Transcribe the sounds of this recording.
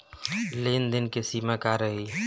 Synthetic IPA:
leːnd̪ɪnkesiːmakaɾəɦi

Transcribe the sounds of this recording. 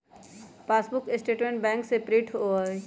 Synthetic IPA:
paːsbʊkɪsʈeːʈmẽɳʈ̚bɛ̃ːŋksepɾeʈɦo

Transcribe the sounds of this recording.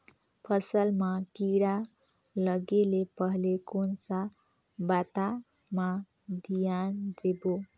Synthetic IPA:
pʰəsəlmãkiɽa | ləɡelepəɦlekonsa | bat̪a | mã | d̪ijand̪ebo

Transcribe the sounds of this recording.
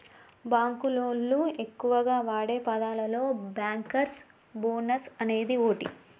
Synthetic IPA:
baːŋkuloːnlue̞kːuʋɐɡaːʋaːɽe̞ːpɐd̪aːlɐlo̞ːbaːŋkɐɾs | boːnɐsɐne̞ːd̪ioːʈi

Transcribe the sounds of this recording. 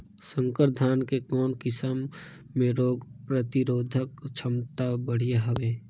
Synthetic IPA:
sə̃ŋkəɾd̪ʱaːnkekɔːnkɪsəmː | ẽɾoːɡpɾət̪ɪɾoːd̪ʱəkt͡ʃʰəmt̪abəɽ̤ijaɦəʋeː

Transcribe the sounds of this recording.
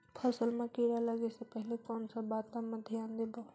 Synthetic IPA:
pʰəsəlmẽkiːɾaləɡesepɛɦlekɔːnsabaːt̪ãməd̪ʱjãːnd̪eba

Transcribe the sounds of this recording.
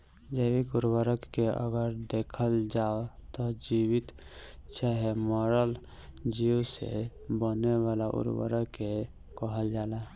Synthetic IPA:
d͡ʒəɪwikuɾwəɾəkːeʔə̰ɡəɾd̪ekʰəld͡ʒaot̪ɔd͡ʒiwit̪t͡ʃaɦemɔɾəl | d͡ʒiwsḛbənewalaʔṵɾwə̰ɾəkːe | kɔɦəld͡ʒaːla

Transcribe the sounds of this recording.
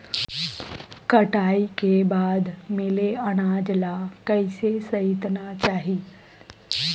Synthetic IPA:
kɐʈaːikebaːd̪meleɐɽ̃aːd͡ʒlakɐɪsesɐɪt̪nat͡ʃaːɦiː

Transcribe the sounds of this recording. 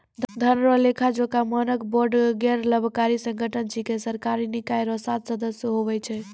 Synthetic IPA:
d̪ʱənɾəlekʰad͡ʒokamənəkboɾɖɡɛɾləbʱkaɾisə̃ŋɡʱəʈənd͡ʒikesəɾkaɾinikaeɾɔsat̪səd̪əsjəɦoβɛt͡ʃʰɛ

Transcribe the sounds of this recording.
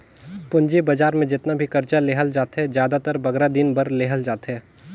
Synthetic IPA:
pʊ̃ɲd͡ʒebɐd͡ʒaːɾmẽd͡ʒɪt̪nabʱikɐɾt͡ʃaleːɦəld͡ʒaːt̪ɦɛzjaːd̪at̪əɾbɐɡɾad̪ɪnbɐɾleːɦəld͡ʒaːt̪ɦɛː

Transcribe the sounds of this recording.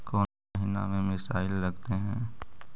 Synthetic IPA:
kɔː | ɦina̰mẽmɪsa̰ːɪlːɐɡt̪eɦɛ̃ː

